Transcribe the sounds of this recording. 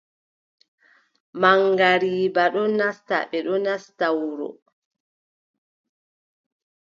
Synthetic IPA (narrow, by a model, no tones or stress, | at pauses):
maŋɡaɾiːbaɗɔnasta̰ɓɛɗɔnastawɾɔ̰